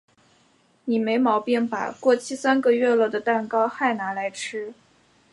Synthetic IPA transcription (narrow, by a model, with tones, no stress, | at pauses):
ni˨˩me˧˥ɪmɑ˧˥ʊpjɛ˥˩npa̰˨˩kwɔ˥˩t͡ɕʰi˥˩sa˥nɡə˧ɥɛ˥˧lɔ˥˩d̪ə˩t̪a˥˩nkɑ˥ʊxa˥˩ɪna˧˥la˧˥ɪʈ͡ʂ̩ʰ˥